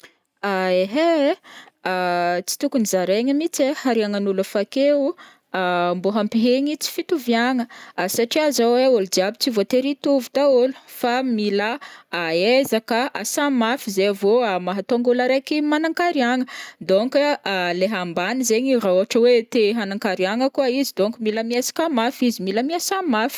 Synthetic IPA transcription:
aeɦe | t͡si̥t̪ukunizaɾeɲəmit͡sehaɾiaŋanuləfakeu | mboɦampiɦeɲit͡si̥fit̪uviaŋəsaʈ͡ʂiazaweolud͡ʒiabit͡sivot̪eɾit̪uvut̪aolu̥familaaezakəasamafizevomaɦat̪oŋɡulaɾekimanaŋkaɾiaŋəd̪oŋkːleɦambanizeɲirauaʈ͡ʂəwet̪eɦanaŋkaɾiaŋəkuaizid̪oŋkumiləmiesḁkamafizimiləmiasamafi̥

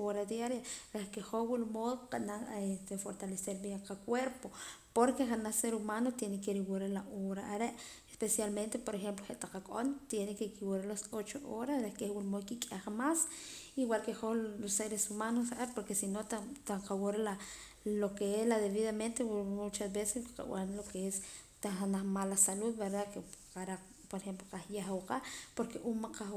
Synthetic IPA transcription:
oɾad̪jaɾjaɾehkeχohwulmoðqanaest̪efoɾt̪aleseɾbjeɴqakweɾpopoɾkeχanaseɾumanot̪jenekeɾiwuɾalaʔoβɾaʔːɾeʔ | e̥spesjalment̪epoɾexemploxeʔt̪aqakʼʔont̪jenekekiwuɾalasot͡ʃoʔoɾasɾekehwulmoðkikʼaχmasiwalkeholosːeɾesumanos̬aaepoɾkesinot̪at̪aqawoɾala | lokeeslaðeβiðament̪ewmut͡ʃasbeseskqa̰w̰anlokees | t̪aanaχmalasaluðbeɾdakeqaɾa | poɾexemploqahjaxwqapoɾkeʔunmaqa

